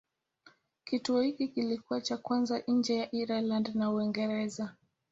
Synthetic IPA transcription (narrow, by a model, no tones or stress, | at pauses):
kituɔhikikilikuwat͡ʃakwanzaʔɲ̩d͡ʒɛjaʔiɾalandnauiŋɡɛɾɛza